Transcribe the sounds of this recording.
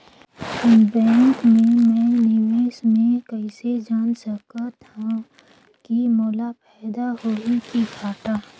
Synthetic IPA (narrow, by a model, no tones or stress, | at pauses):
ɪnbɛ̃ːŋkmẽmɛ̃ːnɪʋeːʃmẽkəɪsed͡ʒaːnsəkat̪ʰã | kimɔːlapɛːd̪aɦoːikiɡʱaːʈaː